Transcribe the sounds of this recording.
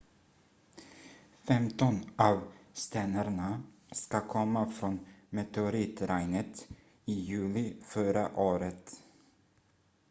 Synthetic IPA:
fɛmt̪ɔnɑːvst̪ɛnəɾɳa | skakʰɔmːafɾɔnmɛt̪ʰɛʊɾiːt̪ɾaɪnət̪ | ɪjʉ̟ːlɪfœɾaʔoːɾət̪

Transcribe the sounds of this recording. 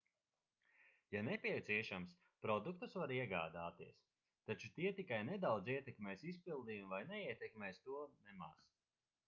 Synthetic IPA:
janɛpʲiɛt̪siɛʃams | pɾɔd̪uk̚t̪usvaɾiɛɡa̰ːd̪aːt̪iɛs | t̪at͡ʃut̪iɛt̪ikajnɛd̪awd̪ziɛt̪ɛkmɛːjsis̬pilˠd̪iːumvajnɛiɛt̪ɛkmɛjst̪uɔnɛma̰ːs

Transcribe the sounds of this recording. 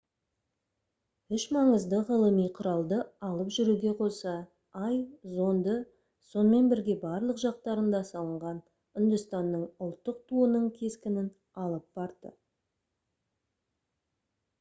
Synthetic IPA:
ʏʃmɑɴəzd̪əʁəlˠəmijqʰʊɾɑlˠd̪əɑlˠəpʒʏɾuɡʲe̞qʰo̞sɑ | ɑjzo̞nd̪ə | so̞nəme̞nbɪɾɡʲe̞bɑɾlˠəqʒɑq̚t̪ɑɾənd̪ɑsɑlˠəɴʁɑn | ʏnd̪əst̪ɑnːəɴʊlˠt̪ːəq̚t̪ʰuənəɴkʲʰe̞skʲɪnɪn | ɑlˠəp̚b̥ɑɾd̪ə̰

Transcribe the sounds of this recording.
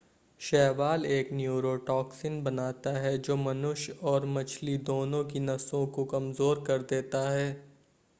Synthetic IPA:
ʃɛːʋaːleːknjuːɾoːʈɔːksɪnbɐnaːt̪aɦɛd͡ʒoːmɐnʊʃɔːɾmɐt͡ʃʰlid̪oːnõkinɐsõkokɐmzoːɾkɐɾd̪eːt̪aɦɛː

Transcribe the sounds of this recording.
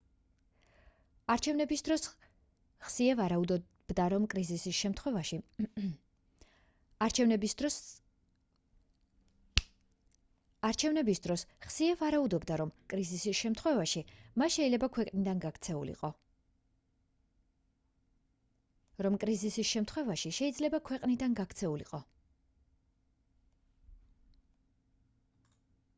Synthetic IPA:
aɾt͡ʃʰɛvnɛbisd̪ɾɔ | χsiɛvaɾaud̪ɔ | b̥d̪aɾɔmkʼɾizisisʃɛmt̪ʰχwɛvai | aɾt͡ʃʰɛnɛb | aɾt͡ʃʰɛvnɛbisd̪ɾɔsχsiɛvaɾaud̪ɔbd̪aɾɔmkʼɾizisisʃɛmt̪ʰχwɛvaʃimasʃɛilɛbakʰwɛqʼnid̪anɡakʰt̪sʰɛṵlḭqʼɔ | ɾɔmkʼɾizisisʃɛmt̪ʰχwɛvaʃiʃɛid̪zlɛbakʰwɛqʼnid̪anɡakʰt̪sʰɛulḭqʼɔ

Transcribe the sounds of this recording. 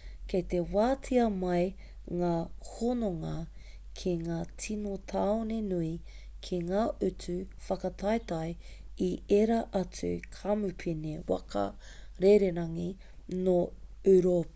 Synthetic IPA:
ket̪ewaːt͡sʰiɐmɐj | ŋaːhonoŋɐ | kʰiŋaːt͡sʰinotʰaonenui | kʰiŋaːʔʉt͡sʉfɐkɐtʰɐjt̪ɐj | ieɾɐʔɐt͡sʉ̰kʰamʉpʰinewɐ̰kʰɐ̰ | ɾeɾeɾɐŋi | no | ʉɾop

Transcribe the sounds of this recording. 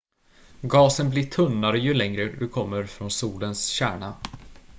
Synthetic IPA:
ɡɑːsənblɪʈʰɵnːaɾəjɵlɛŋɾəd̪ɵkʰɔmːəɾfɾɔnsuːlənsɕæ̰ːɳa

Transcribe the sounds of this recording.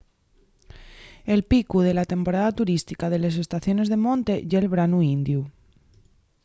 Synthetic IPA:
e̞lpikuð̞e̞lat̪e̞mpo̞ɾaðat̪uɾist̪ikaðe̞le̞s̬e̞st̪aθjo̞ne̞zðe̞mõ̞nt̪e̞ʝelβ̞ɾanuind̪ju

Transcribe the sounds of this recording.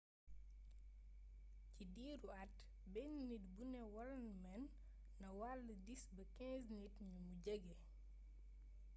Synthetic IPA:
cidiːɾuɐt | bɛnnitbunɛwɐlɐnmɛnː | ɐwalːədisbɐkɛ̃ːznitɲumuɟəɡɛ

